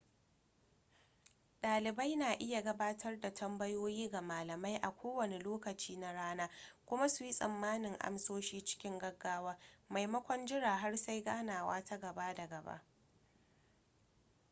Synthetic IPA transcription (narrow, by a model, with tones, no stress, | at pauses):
ɗaː˨lɪ˨ba˦jnaː˨ʔɪ˦ja˨ɡɐ˦baː˦tʰɐ˦rda˨tʰɐ˦mbɐ˦joː˦jiː˦ɡa˨maː˨lɐ˨ma˦jʔa˨kʷoː˦wɐ˨ne˨loː˦kɐ˨t͡ʃiː˦na˦ɽaː˦naː˦kʷʊ˦ma˦su˨ji˦sʼɐ̰˨mːaː˦nɪ˨ŋʔa̰˦msoː˦ʃiː˦t͡ʃɪ̥˦kʲɪ˦ŋɡɐ˦ɡːaː˦waː˦ma˨jmɐ˦kʷɔ˦nd͡ʒɪ˦ɽaː˨ɦa˦rsa˦jɡaː˦naː˨wa̰ː˦tʰa˦ɡɐ˨ba˦da˨ɡɐ˨ba̰˦ʔ